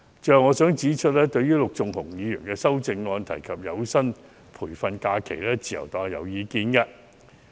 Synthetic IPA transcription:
t͡ʃœː˨ŋɔː˨˧sœː˨˥ŋt͡siː˨˥t͡ʃʰɵ˥t̚lɛː˥t̪ɵ˧ɥjyː˥lʊ˨k̚t͡sʊ˨ŋhʊ˨˩ŋjiː˨˧jy̰ː˨˩nkɛː˧sɐ˥wt͡sɪ˧ŋːɔː˧nt̪ʰɐ˨˩jkʰɐ˨p̚jɐ˨˧wsɐ˥n | pʰuː˨˩jfɐ˧nkaː˧kʰḛ˨˩jlɛː˥t͡siː˨˧˩jɐ̰˨˩wt̪ɔː˨˩jɐ̰˨˧wjiː˨˧kiː˧nkɐ˧

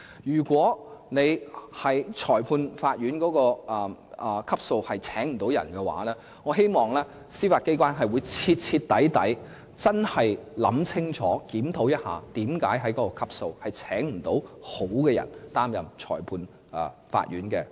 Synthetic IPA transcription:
jyː˨˩kʷɔː˨˥ne˨˧jhɐ˨jt͡ʃʰɔː˨˩jpʰuː˧nfaː˧t̚jyː˨˥nkɔː˨˧˥kɔː˧ʔɐ˨˩˨kʰɐ˥p̚so˧whɐ˨jt͡sʰɛː˨˥ŋm̩˨˩t̪o˨˥wjɐ̰˨˩nkɛ˧wa̰ː˨˥lɛː˥ | ŋɔː˨˧ɦe˥jmɔː˨˩ŋlɛː˥ | siː˥faː˧t̚ke˥jkʷaː˥nɦɐ˨jwuː˨˧jt͡sʰiː˧t̚t͡sʰi˧t̚t̪ɐ˨˥jt̪ɐ̰˨˥j | t͡sɐ˥nhɐ˨jlɐ̰˨˥mt͡sʰɪ˥ŋt͡sʰɔ̰ː˨˥kiː˨˥mt̪ʰo˨˥wjɐ˥t̚ha̰ː˨t̪iː˨˥mkaː˨˥jɦɐ˨˥jkɔː˨˧˥kɔː˧kʰɐ˥p̚so˧whɐ˨jt͡sʰɛː˨˥ŋm̩˨˩t̪o˨˥who˨˥wkɛː˧jɐ̰˨˩nt̪aː˥mjɐ̰˨mt͡ʃʰɔ̰ː˨˩jpʰuː˧n | ʔɛː˨fa̰ː˧t̚jyː˨˥nkɛː˧

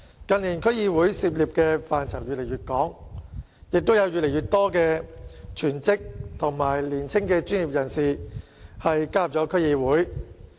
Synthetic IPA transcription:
kɐ˨˧nliː˨˩nkʰɵ˥jiː˧wuː˨˥jsiː˧p̚liː˨p̚kɛː˧faː˨nt͡sʰɐ˨˩wjyː˨t̚le˨˩jɥyː˨t̚kɔː˨˥ŋ | jɪ˨k̚t̪o˥wjɐ˨˧wjyː˨t̚ljɥyː˨t̪ɔː˥kɛː˧t͡ʃʰyː˨˩nt͡sɪ˥k̚t̪ʰʊ˨˩ŋmaː˨˩jliː˨˩nt͡sʰɪ˥ŋkɛː˧t͡ʃyː˥njiː˨p̚jɐ˨˩nsiː˨˩ | hɐ˨jkaː˥˨p̚t͡ʃɔː˨˥kʰɵ˥ɥjiː˧wuː˨˥j

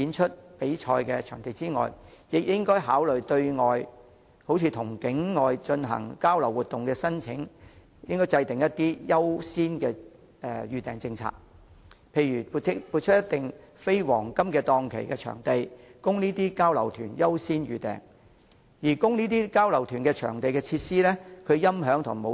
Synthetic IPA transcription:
piː˨˧nt͡ʃʰɵ˥t̚pe˨˥jt͡ʃʰɔː˧jkɛ˧t͡ʃʰœː˨˩ŋt̪e˨˧jt͡siː˥ŋɔ̰ː˨jjɪ˨k̚jɪ˥ŋkɔː˥jɦaː˨˥wlɵ˨ɥt̪ɵ˧ɥŋɔː˨˧j | ho˨˧˥wt͡sʰiː˧t̪ʰʊ˨˩ŋkɪ˨˥ŋŋɔː˨jt͡ʃɵ˧nɦɐ̰˨˩ŋkaː˥wlɐ˨˩wu˨t̪ːʊ˨ŋkɛː˧sɐ˥nt͡sʰɪ̰˨˥ŋ | jɪ˥ŋkɔː˥jt͡sɐ˧jt̪ɪ˨˩ŋjɐ˥t̚t̪iː˥jɐ˥wsiː˥nkɛː˧ | ɛ˨˧jyː˨˩t̪ɛː˨ŋt͡sɪ˧ŋt͡sʰa̰ː˧k̚ | pʰe˧jɥyː˨˩u˨˧˥pu˨˧t̚t͡ʃʰɵ˥jɐ˥t̪ɪ˨˩ŋ | fe˥jwɔː˨˩ŋkɐ˥mkɛː˧t̪ɔː˧ŋkʰḛ˨˩jkɛ˧t͡ʃʰœ̰ː˨˩ŋt̪e˨˧jkʊ˥ŋniː˥t̪iː˥kaː˥wlɐ̰˨˩wt̪ʰyː˨˩njɐ˥wsiː˥nɥyː˨t̪ɛ̰ː˨˩ŋ | jiː˨˩kʊ˥ŋniː˥t̪iː˥kaː˥wlɐ˨˩wt̪ʰyː˨˩nkɛː˧t͡ʃʰœ̰ː˨˩ŋt̪e˨jkɛː˧t͡sʰiː˧t̚siː˥lɛː˥kʰɵ˨˧jɐ˥mɦœː˨˥ŋt̪ʰʊ̰˨˩ŋmo˨˧

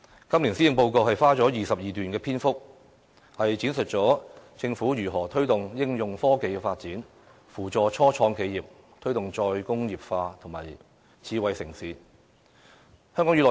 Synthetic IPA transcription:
kɐ˥mli˨nsi˥jɪ˧ŋpo˧wko˧wɦɐ˨jfaː˥t͡sɔː˨˥jiː˨˩sɐ˨p̚jiː˨t̪yː˨nkɛː˧pʰiː˥nfʊ˥k̚ | hɐ˨jt͡siː˨˥nsɵ˨t̚t͡sɔː˨˥t͡sɪ˧ŋfuː˨˥jyː˨˩ɦɔː˨˩t̪ʰɵ˥ɥt̪ʊ˨ŋjɪ˥ŋjʊ˨ŋfɔː˥ke˨˧jkɛ˧faː˧t̚t͡siː˨˥n | fuː˨˩t͡ʃɔː˨t͡ʃʰɔː˥t͡sʰɔː˧ŋkʰe˨˧jiː˨p̚ | t̪ʰɵ˥ɥt̪ʊ˨ŋt͡ʃɔː˧jkʊ˥ŋjiː˨p̚faː˧t̪ʰʊ˨˩ŋmaː˨˩j | t͡sʰiː˨˧wɐ˨jsɪ˨˩ŋsiː˨˧ | hœː˥ŋkɔ˨˥ŋy˨˧lɔː˨˩

